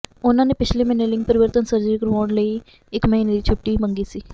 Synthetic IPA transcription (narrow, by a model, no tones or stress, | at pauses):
ʊnãːneːpɪt͡ʃʰleːmɛneːlɪ̃ŋɡpəɾɪʋəɾt̪ənsəɾd͡ʒɾiːkəɾʋaːɳləiː | ɪkməɦiːneːd̪iːt͡ʃʰʊʈːiːməŋɡiːsiː